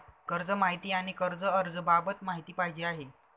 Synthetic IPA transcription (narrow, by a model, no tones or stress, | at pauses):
kəɾd͡zəmaɦit̪iːaɽ̃ikəɾd͡zəəɾd͡zəbabət̪maɦit̪iːpaɦid͡ʑeːaɦe